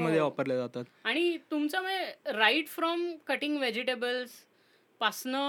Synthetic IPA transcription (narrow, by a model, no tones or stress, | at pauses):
məd̪ʱːjeʋapəɾljad͡zat̪at̪aɽ̃it̪umt͡saməɾaiʈfɾɔmkəʈĩŋɡʋed͡ʑiʈebəls | pasnə